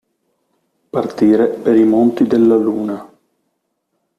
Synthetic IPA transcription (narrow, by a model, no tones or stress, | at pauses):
part̪iːɾepeɾimont̪id̪elːaluːna